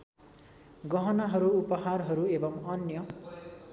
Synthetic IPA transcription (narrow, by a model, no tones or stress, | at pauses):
ɡʌɦʌnʌɦʌɾuupʌɦarɦʌɾuebʌmʌnjʌ